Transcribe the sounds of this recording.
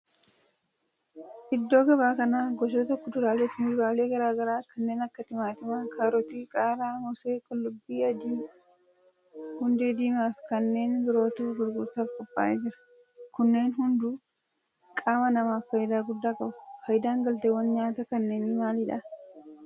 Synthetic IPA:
ʔɪd̪ːo̞ːɡɐβaːkɐnaːɡɔʃ̬oːt̪ɔkːɔd̪ʊɾaːleːfɪnd̪ʊɾaːle̞ːɡɐɾaːɡɐɾaːkɐnːe̞ːnɐkːɐt̪ɪmaːt̪ɪmaːkʰaːɾɔt̪iːkʼaːɾaːmɔseːkʼɔlːʊbːiːɐd̪iː | hʊnd̪eːd̪iːmaːfɪkɐnːe̞ːnɡɪɾo̞ːt̪uːɡʊɾɡʊɾt̪aːfkʼɔpʼːa̰ːʔeːd͡ʒɪɾɐ̥ | kʊnːe̞ːnɦʊnd̪uː | kʼaːmɐnɐmaːfɐjd̪aːɡʊd̪ːaːkʼɐbʊ̥fɐjd̪aːŋɡɐlt̪ewɐnɲaːt̪ɐkɐnːe̞ːnɪmaːlɪᶑɐ

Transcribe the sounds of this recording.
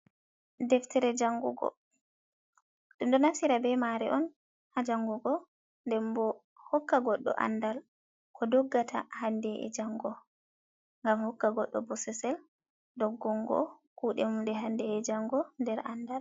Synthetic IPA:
dɛftɛɾɛd͡ʒaŋɡuɡɔ̰ | ɗumdɔnafsiɾabɛmaɾɛ̰ʔɔn | had͡ʒaŋɡuɡɔ | ndɛmbɔ | hɔkːaɡɔɗːɔ̰ʔa̰ndal | kʰɔdɔɡːatʰa̰handɛʔɛ̰d͡ʒaŋɡɔ | ŋɡamhɔkːaɡɔɗːɔ̰bɔsɛsɛl | dɔɡːɔŋɡɔ̰ | kuːɗɛmudɛɦandɛːd͡ʒaŋɡɔndɛɾʔanːdal

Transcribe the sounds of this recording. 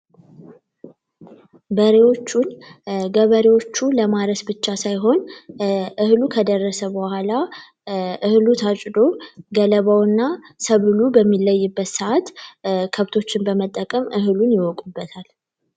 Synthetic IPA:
bəɾewo̞t͡ʃːunɡəβəɾewo̞t͡ʃːuləmaɾəsbɨt͡ʃːasajɦo̞n | ʔɨhlukʰəd̪ərːəsəbəhʷala | ʔɨhlut̪ʰat͡ʃʼd̪o̞ɡələβawɨnːasəβɨlubəmːilːəjːɪbːət̪səʔat̪kʰəβt̪ʰo̞t͡ʃːɪnbəmət̪ʼːəkʼəmʔɨɦlunjɪwɔkʼubːət̪ʰal

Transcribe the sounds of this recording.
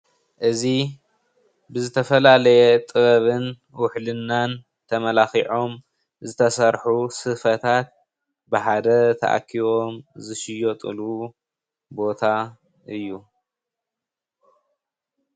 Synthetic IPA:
ʔɨzi | bɨzɨt̪ʰɐfɐlalɐjɛt̪ʼɨβɐβɨn | wʊħlɨnːan | t̪ʰɐmɐlaxiʕo̞m | zɨt̪ʰɐsɐɾħusɨfɐt̪ʰat̪̚ | bɨħad̪ɐt̪ʰɐ̰ʔa̰kʰːiβo̞mzɨʃɪjot̪ʼɨ̰lu | bo̞t̪ʰa | ʔɨjːu

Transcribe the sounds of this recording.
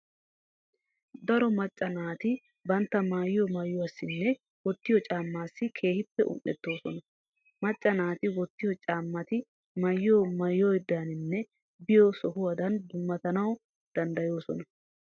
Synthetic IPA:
d̪ɐɾɔmɐt͡ʃʼːɐnaːt̪ɪ | bɐnt̪ːɐmaːjjomaːjːɔɐsːɪnːɛ | wɔt̪ːɪjɔt͡ʃʼaːmːaːsːɪkʰe̞ːhɪpːɛʔʊ̰nːɛ̰t̪ːo̞ːsɔnɐ | mɐt͡ʃʼːɐnaːt̪ɪwɔt̪ːɪjɔt͡ʃʼaːmːɐt̪ɪ | mɐjːoːmɐjːojɪd̪ːaːnɪnːɛ | bɪjɔsɔhʊwɐd̪ɐnd̪ʊmːɐt̪ɐnɐw | d̪̥ɐnd̪ɐjo̞ːsɔnɐ

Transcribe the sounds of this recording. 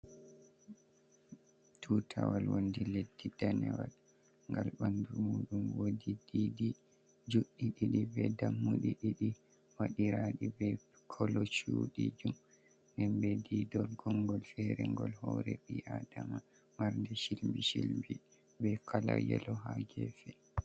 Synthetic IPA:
tʰutʰawalwondiledːidanɛwal | ŋɡalɓandumuːɗunwodididi | d͡ʒuɗːiɗiɗibɛdamːuɗiɗiɗi | waɗiɾaɗibɛ | kʰɔlɔt͡ʃuɗid͡ʒum | nɛmbɛdidɔlɡɔŋɡɔlfɛɾɛŋɡɔlhɔɾɛɓiʔadama | maɾndɛʃilmbiʃilmbi | bɛkʰala̰jɛ̰lɔɦaɡɛfɛ

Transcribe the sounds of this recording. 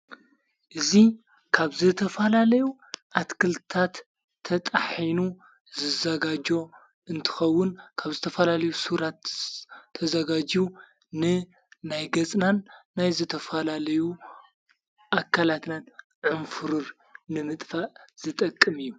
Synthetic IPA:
ʔɨzi | kʰaβzɨt̪ʰɐfɐlalɐju | ʔat̪kʰɨlt̪ʰat̪ʰː | ɐt̪ʼħinu | zɨzɐɡad͡ʒo̞ | ɨnt̪ʰɨ̥xɐwːʊnkʰaβzɨt̪ʰɐfɐlalɐjusuɾat̪ʰː | ɐzɐɡad͡ʒu | nɨ | najɡɐt͡sʼnanːajzɨt̪ʰɐfɐlalɐju | ʔakʰːalat̪nan | ʕɨnfɨɾɨɾ | nɨmɨt̪ʼfaʔz̥ɨt̪ʼɐkʼːɨmɨjːu

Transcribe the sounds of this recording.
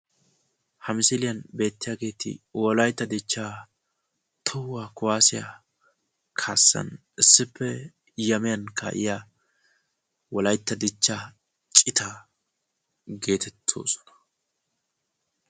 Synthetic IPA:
hɐmɪsɪlɪjɐnbe̞ːt̪ːɪjaːɡe̞ːt̪ɪ̰wɔlɐjt̪ːɐd̪ɪt͡ʃːaː | t̪ʰɔwːaːkʊwaːsɪja̰ | kʰaːsːɐ̰n | ɪsːɪpːɛ | jɐmɪjɐnkʰa̰ːʔɪ̰jaː | wɔlɐjt̪ːɐd̪ɪt͡ʃːaː | t͡ʃʼɪt̪ɐ | ɡe̞ːt̪ʰɛt̪ʰːo̞̰ːsɔ̥nɐ̥

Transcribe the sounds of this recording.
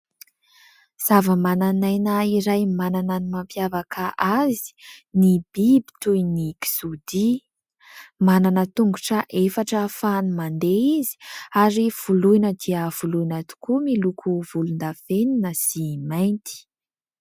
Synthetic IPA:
z̥avəmananajnəiɾajmananənimampjavakʰaʔazi̥nib̥ibi̥t̪ujniki̥sud̪i | mananət̪uŋɡuʈ͡ʂəʔefaʈ͡ʂəfanumand̪eizi̥aɾiv̥ulujnəd̪iəv̥uluinat̪u̥kumilukʰuvulund̪afeninəsimajnt̪i̥

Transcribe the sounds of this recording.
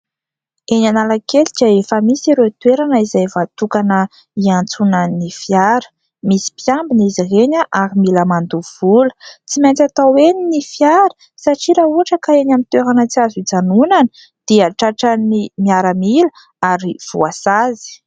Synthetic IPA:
eɲanalakeld͡ʒaefəmisiɾet̪weɾanəizajvat̪ukanə | iant͡sunənifjaɾə̥ | misi̥pjambinizireɲəʔaɾimiləmand̪uv̥ulə̥t͡simajnt͡sat̪aweninifjaɾə̥ | saʈ͡ʂiɾauaʈ͡ʂəkaeɲamint̪weɾanət͡siazid͡zanunanə | d̪̥iaʈ͡ʂaʈ͡ʂanimiaɾəmilə | aɾiv̥ṵasazi̥

